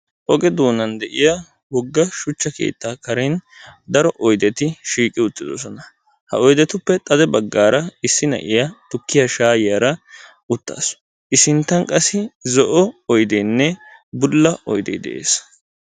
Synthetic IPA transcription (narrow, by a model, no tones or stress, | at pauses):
ʔɔɡɛd̪uːnɐnd̪ɛʔɪja | wɔɡːɐʃʊt͡ʃːɐkḛːt̪ːaːkɐɾɛn | d̪ɐɾɔʔɔjd̪ɛt̪ɪʃiːkʼːɪʊt̪ːɪd̪ɔsɔnɐ | hɐ̰ɔjd̪ɛt̪ʊpːɛt̪ʼɐd̪ɛbɐɡːaːɾɐɪsːɪnɐ̰ʔɪjat̪ʊkːɪjɐʃaːjjaːɾɐ | ʊt̪ːa̰ːs | ʔɪsɪnt̪ːɐnkʼɐsɪzɔʔɔɔjd̪eːnːɛbʊlːɐɔjd̪ɛ̰jd̪ɛ̰ʔḛːs